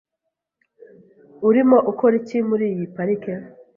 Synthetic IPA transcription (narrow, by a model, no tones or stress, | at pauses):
uɾimo̞ʔukoɾicimuɾiːjipaɾike